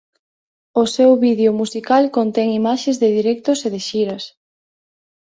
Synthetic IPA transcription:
ʊsɛwβiðeʊmusikalkont̪ɛŋimaʃezðɪðiɾɛk̚t̪ʊseðɪʃiɾɐs

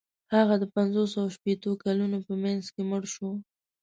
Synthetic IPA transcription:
haɣad̪əpanzosawaʃpet̪okalunopəmanzkeməɽʃo

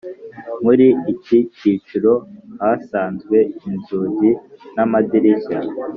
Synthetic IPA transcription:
muɾiːciciːt͡ʃuɾo̞hasaːnzɡwe̞inzuzinamadiɾiça

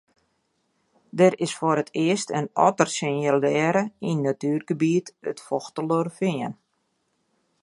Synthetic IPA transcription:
dɛɾɪsfoɾətʰɪəstənɔ̰tərsɪnəlɛːɾəinːatyːrɡəbiətə̰tfɔxtəlorfɪən

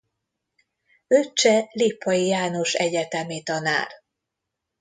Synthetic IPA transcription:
øt͡ʃːɛliːpːɒjijaːno̞ʃɛɟɛt̪ɛmit̪ɒna̰ːr

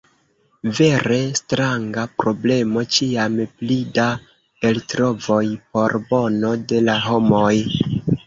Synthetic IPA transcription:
ve̞ɾe̞stɾaŋɡapɾo̞ble̞mo̞t͡ʃiamplida | e̞ltɾo̞vo̞jpo̞ɾbo̞no̞de̞laɦo̞mo̞j

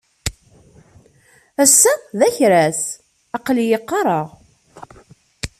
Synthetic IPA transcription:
æsːæðæçɾæs | ɑqljəqːɑɾˤəʁ

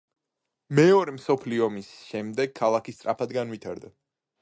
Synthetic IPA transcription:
mɛɔɾɛmsɔpʰliɔmisʃɛmd̪ɛɡ̚kʰːalˠakʰist̪sʼɾʔa̰pʰad̪ɡanwit̪ʰaɾd̪a

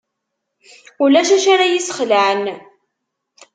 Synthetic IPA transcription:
ulæʃæʃaɾajisχləʕən

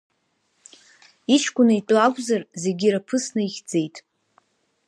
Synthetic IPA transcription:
it͡ʃʰkʷʼʊnaitʷʼakʷʼzarzeɡʲiɾapʰɨsnɨiχʲd͡ze̞jtʼ

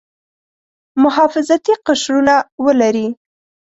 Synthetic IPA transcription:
mʊɦɑfɪzat̪iqaʃɾunawəlaɾi

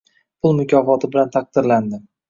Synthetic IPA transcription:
pʰʊlˠmʊkʲʰɒfɒt̪ʰɪbɪlant̪ʰɑq̚d̪ɪɾland̪ɪm

